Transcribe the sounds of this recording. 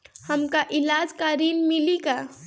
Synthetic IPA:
həmkaʔɪlaːd͡ʒkaːɾiːnmɪlika

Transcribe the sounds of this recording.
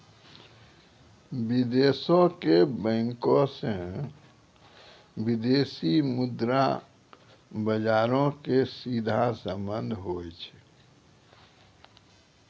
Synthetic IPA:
bid̪esõkebɛ̃ŋkõsẽ | bid̪esimud̪ɾa | bəd͡ʒaɾõkesid̪ʱasə̃mbənd̪ʱɦojt͡ʃʰɛ

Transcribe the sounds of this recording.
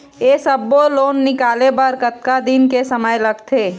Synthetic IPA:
esəbːoloːnːɪkaːlebəɾkət̪kad̪ɪnkesəməjləɡt̪ʰeː

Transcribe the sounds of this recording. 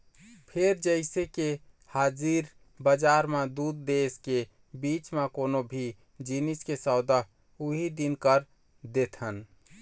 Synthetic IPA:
pʰeɾd͡ʒəɪseke | had͡ʒiɾ | bəd͡ʒaɾmed̪ud̪ːeske | bit͡ʃmekonobʱi | d͡ʒiniskesəʊd̪aɦ | uɦid̪inkəɾ | d̪et̪ʰən

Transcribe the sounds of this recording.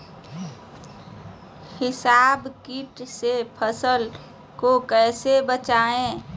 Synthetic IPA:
hɪsaːbkiʈsepʰəsəl | kokɛːsebət͡ʃaːẽː

